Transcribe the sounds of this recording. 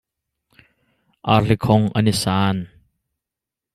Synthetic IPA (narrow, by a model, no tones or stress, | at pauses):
ʔaːɬikʰɔŋʔɐnisaːn